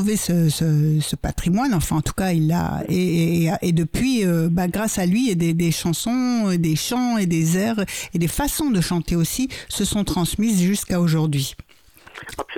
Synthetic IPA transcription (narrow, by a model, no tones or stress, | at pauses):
vesəsəsəpat̪χimwanɑ̃fɛ̃ɑ̃t̪u̥kaila̰eʔed̪əpɥiøbaɡʁasalɥied̪ed̪eʃɑ̃sɔ̃ed̪eʃɑ̃ed̪ezɛʁed̪efasɔ̃d̪əʃɑ̃t̪eosisəsɔ̃t̪χɑ̃smizʒyskaoʒuʁd̪ɥi